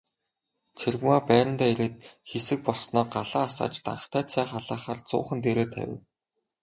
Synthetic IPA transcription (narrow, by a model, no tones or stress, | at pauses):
t͡sʰerɣmaːpæːɾə̆nt̪æːeɾeːt̪̚xesɘ̆k̚pɔɮsnɔːɢaɮaːsa̰ːt͡ɕt̪a̰ɴə̆χt̪æːt͡sʰæːχaɮaːχaːrt͡sʊ̰ːχə̆nt̪eɾeːt̪ʰæ̰wʲɪ̰̆w